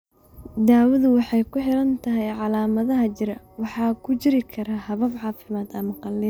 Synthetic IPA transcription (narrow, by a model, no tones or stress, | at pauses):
d̪aːwɐðʊwɑħɑjkʰʊħɪɾɐnt̪ʰɐɦɛjʕɑlaːmɐðɐɦɐt͡ʃɪɾɐwɑħɑːkʰʊt͡ʃɪɾɪkʰɐɾahɐβɐbʕɑːfɪmaːd̪ɐmɐqɑlːɪ